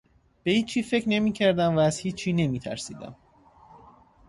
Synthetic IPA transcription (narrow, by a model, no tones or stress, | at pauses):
b̥e̞hiːt͡ʃʰiːfe̞cɾnemiːcʰæɾd̪æmvæːzhiːt͡ʃʰːiːne̞miːt̪ʰæ̰ɾsḭːd̪æ̰m